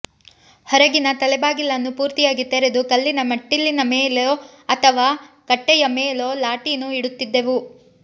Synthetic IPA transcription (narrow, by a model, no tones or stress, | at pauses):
hɐɾɐɡinɐt̪ɐlɛbaːɡilːɐnːupuːɾt̪ijaːɡit̪ɛɾed̪ukɐlːinɐmɐʈːilːinɐmeːloɐt̪ʰɐʋaːkɐʈːɛjɐmeːloːlaːʈinuiɽut̪ːid̪ːe̞ʋu